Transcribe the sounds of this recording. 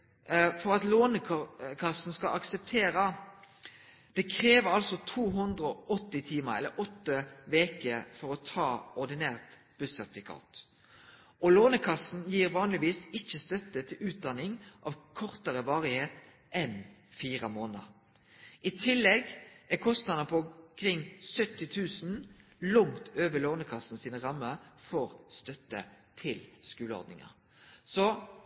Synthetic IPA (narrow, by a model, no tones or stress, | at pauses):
fɔʁɑt̪loːnəkʰɑsːn̩skɑʔɑksɛp̚t̪ʰeːʁə | d̪̥ɛkʰɾeːʋəɾɑlsɔt̪ʰuːɦʉnd̪ʁəɔɔt̪ːɪt̪ʰiːməʁɛ̰lːəɾɔt̪ːəʋeːkəfɔʁɔt̪ʰɑːɔʁd̪ɪnæːʁt̪ | b̥ʉsːœʁt̪ɪkʰɑ̰ːt̪ | ɔloːnəkʰɑsn̩jiːɾʋɑːnlɪʋiːsɪçːəst̪œt̪ːət̪ʰɪlʉːt̪̚d̪ɑnɪŋʔɑʋkʰɔʁt̪əʁəʋɑːʁɪheːt̪ | ʔɛnfiːʁəmoːnə̰ɾ | ɪt̪ʰɪlːɛɡɛkʰɔst̪nɑd̪əpʰɔkʰɾɪŋːsœt̪ːɪt̪ʰʉːsnlʊŋt̪ʰøːʋəloːnəkʰɑsn̩siːnʁɑmːəfɔʁst̪œt̪ːə̰t̪ʰɪlskʉːləɔ̰ɾd̪nɪ̰ŋɑ̰ʁ | sɔ